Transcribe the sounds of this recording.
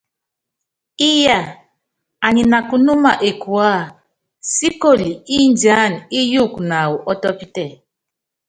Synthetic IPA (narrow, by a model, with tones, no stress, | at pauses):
i˦ja˨ | a˨ɲi˨na˨ku˨nu˦ma˨ʔe˨ku˨a˦˨ | si˦ko˦˨li˨i˦n˨d͡ʒa˦˨ni˦ju˦˨kna˨wu˨ʔɔ˦tɔ˦pi˦tɛ˨